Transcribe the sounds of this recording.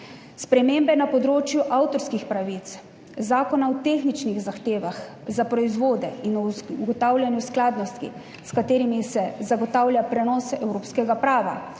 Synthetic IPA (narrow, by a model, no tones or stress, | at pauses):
spɾɛmeːmbɛnapɔd̪ɾoːt͡ʃjuʔawt̪ɔɾskixpɾaʋit̪s | zaːkɔnaɔt̪exnit͡ʃniɣzaxt̪eːʋax | zapɾɔizʋoːd̪ɛinɔɡɔt̪aːwlʲjanjusklaːd̪nɔst̪kḭ | skat̪eːɾimisɛzaɡɔt̪aːwlʲjapɾɛnɔːsɛʔɛwɾoːpskɛɡapɾaːʋa̰